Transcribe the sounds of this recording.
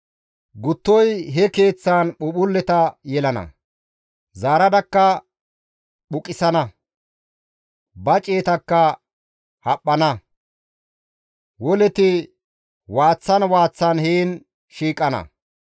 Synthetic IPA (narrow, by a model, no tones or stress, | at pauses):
ɡʊt̪ːɔjɦɛke̞ːt͡sːaːnɓʊɓʊlːɛt̪ɐjɛlɐnɐ̰ | zaːɾɐd̪ɐkːɐ | ɓʊkʼɪsɐnɐ | bɐt͡ʃʼe̞ːt̪ɐkːɐ | hɐpʼːɐnɐ | wɔlɛt̪ɪ | waːt͡sːɐnwaːt͡sːɐnheːn | ʃiːkʼːɐnɐ̰